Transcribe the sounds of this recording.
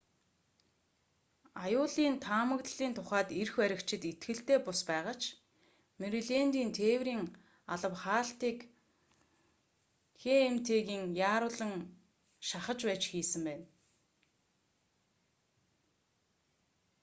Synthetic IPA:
ajʊːɮiːnt̪ʰaːmə̆kt̪ɮiːnt̪ʰʊχæːt̪irxwæɾʲɪ̆kt͡ɕɪ̆t̪it̪ɡɘ̆ɬt̪eːpʊspæːʁə̆t͡ɕ | meɾiɮent̪iːnt̪ʰeːwɾiːŋ | aɮə̆wχaːɬt̪iːk | xeemt̪ʰeːɣiːŋjaːɾʊːɮə̆ŋ | ʃaχə̆t͡ɕpæːt͡ɕxiːsɘ̆mpæːn

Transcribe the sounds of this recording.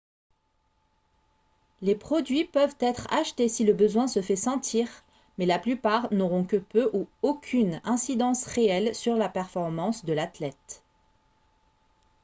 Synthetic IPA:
lepχɔd̪ɥipœvt̪ɛt̪χa̰ʃt̪esiləbəzwɛ̃səfɛsɑ̃t̪ʰiːʁ | mɛlaplypaʁnoʁɔ̃kəpøʔuokʲʰynɛ̃sid̪ɑ̃sʁeɛlsyʁlapɛʁfɔʁmɑ̃sd̪əlat̪lɛt̪

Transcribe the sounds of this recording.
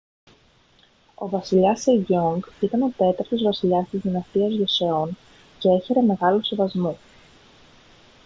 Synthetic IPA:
o̞̰vɐsiʎɐseiʝoŋɡit̪ɐno̞t̪e̞t̪ɐɾt̪o̞zvɐsiʎɐst̪izðinɐst̪iɐzʝoseo̞n | ce̞e̞çe̞ɾe̞me̞ɣɐlose̞vɐzmo

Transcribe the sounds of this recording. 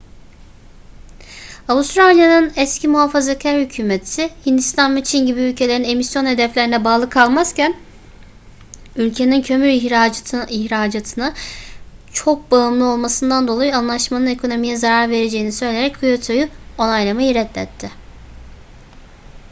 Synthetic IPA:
avust̪ɾalʲjanɯnɛscʰimuɦafazacʰæɾhycʰyːmet̪ʰsɪhind̪ist̪ʰanbit͡ʃʰinɟibiylʲcʰe̞lʲeɾine̞misjo̞nhe̞d̪ɛflʲe̞ɾinɛbaːlˠɯkʰalˠmaz̥cæn | ylʲcʰe̞nincʰø̞myɾçiçɾaːd͡ʒat̪ʰɯna | t͡ʃʰo̞k̚baɯmlˠɯo̞lˠmasɯnd̪and̪o̞lˠajuanlˠaʃmanɯne̞kʰo̞no̞mijɛzaɾaɾve̞ɾe̞d͡ʒe̞jinisø̞jlʲe̞ɾɛc̚kʰujet̪ʰojyo̞najlˠamajiɾɛt̪lʲɛ̰t̪ʰːɪ

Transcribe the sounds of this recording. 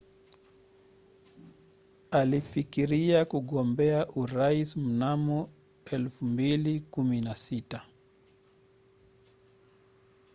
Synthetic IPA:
alifikiɾiakuɠɔmbɛaʔuɾaism̩namɔ | ɛlfumbilikuminasita

